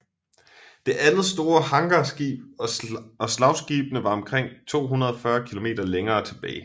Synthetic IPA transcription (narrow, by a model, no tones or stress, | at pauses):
d̥e̝ʔænð̩ˠsd̥o̝ːɐhɑ̈ŋɡ̥ɐsɡ̥ḭːb̥ | ɒ̽slɑ̈ʊsɡ̥ḭːb̥ənəʋɑ̈ɒ̽mkʰʁeŋ̰t͡sʰo̝̰ːɦunɐð̞ˠɒ̽fɶɐkʰilo̝me̝̰ːd̥ɐleŋɐːt͡sʰe̝b̥ɛ̰ːɪ